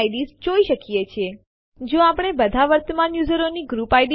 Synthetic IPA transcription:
iɖizd͡ʒoiʃəkijet͡ʃʰie | d͡ʒoapəɽ̃ebəd̪ʱaʋəɾt̪əmanjuzəɾoniɡɾupajɖ

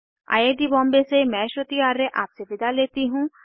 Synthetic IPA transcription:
a̰ːjeːd̪ibɔ̃ːmbesemɛ̃ːʃɾot̪iaːɾːeʔaːpseʋɪd̪aleːt̪iɦũː

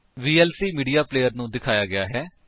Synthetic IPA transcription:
ʋiːɛːlsiːmiːɖijaːpleːjəɾnũːd̪ɪkʰaːjaːɡɪaːɦɛː

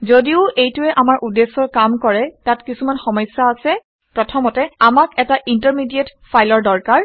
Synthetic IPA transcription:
zodiʊʔejtʊɛʔamaɹʔudesːɔɹkamkɔɹɛtatkisumanxɔmɔjsːaːsɛ | pɹɔtʰɔmɔtɛamakɛtaʔintəɹmidietfʰajlɔɹdɔɹkaɹ

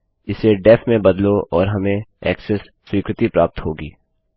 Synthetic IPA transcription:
ɪseɖɛpʰmẽbɐd̪loʔɔːɾɦɐmẽɛ̰ːksɛsːwiːkɾɪt̪ipɾaːp̚t̪ɦoːɡḭː

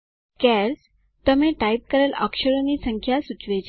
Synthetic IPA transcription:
kæɾs | t̪əmẽʈaip̚kəɾələ̰kʂəɾoniːsəŋkʰjasut͡sʋet͡ɕ

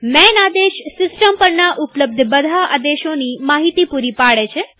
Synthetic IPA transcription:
mɛnad̪eʃsɪsʈəmpəɾnaʔupləb̚d̪ʱbəd̪ʱaʔad̪eʃonimaɦit̪ipuɾipaɽet͡ʃʰe

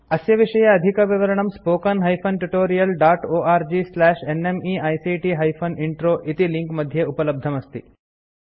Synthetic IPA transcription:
ɐsjɐʋiʂɐjɐɐd̪ʱikɐʋiʋɐɾɐɳ̃ɐmspoːkɐnɦɐjpʰɐnʈuʈoːɾijɐlɖaːʈoːʔaːɾd͡ʒislɛːʃenemiːɐjsiːʈiɦɐjpʰoniɳʈɾoːʔit̪iliŋkmɐd̪ʱjeupɐlɐb̚d̪ʱɐmɐst̪i

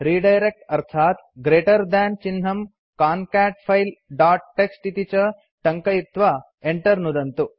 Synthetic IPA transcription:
ɾiːɖɐjɾek̚ʈɐɾt̪ʰaːt̪ɡɾeːʈɐɾd̪aːnt͡ʃinɦɐm | kaːnkaːʈpʰɐjlɖaːʈ̚ːeksʈit̪it͡ʃɐ | ʈɐŋkɐjit̪ʋɐ | eɳʈɐɾnud̪ɐnt̪u

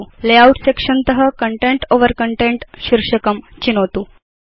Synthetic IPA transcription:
uleauʈsekʂənt̪əɦəkəɳʈeɳʈoʋəɾkəɳʈẽɳʈɕiɾʂəkəm | t͡ɕinot̪uː

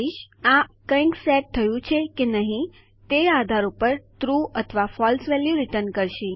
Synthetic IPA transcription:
iʃãkə̃jŋksɛʈ̚t̪ʰːəjũt͡ʃʰekenəɦĩ | t̪ead̪ʱaɾupəɾt̪ɾuət̪ʰəʋafɔlsʋɛljũɾiʈəɾnkəɾʃĩ

